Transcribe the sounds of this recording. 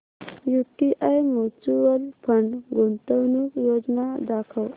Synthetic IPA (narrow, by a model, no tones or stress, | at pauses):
juʈiʔajmot͡suʋəlpʰəɳɡont̪əwnukjod͡znad̪akʰəw